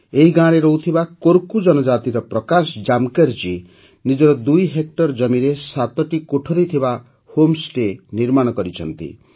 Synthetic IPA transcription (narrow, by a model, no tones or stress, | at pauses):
eɦiɡãɾeɾɔwt̪ʰibakoɾkud͡ʒɔnɔd͡ʒat̪iɾɔpɾɔkasd͡ʒamkeɾt͡ʃi | nid͡ʒɔɾɔd̪ujɦek̚ʈɔɾd͡ʒɔmiɾesat̪ɔʈikoʈʰɔɾit̪ʰiba | homsʈeniɾmaɽ̃ɔkɔɾit͡ʃʰɔ̰nt̪ḭ